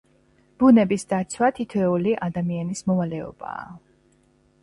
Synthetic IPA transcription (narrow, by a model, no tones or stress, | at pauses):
b̥unɛbisd̪at̪sʰwat̪ʰit̪ʰwɛuliʔad̪amianismɔvalɛɔ̰b̥a̰ː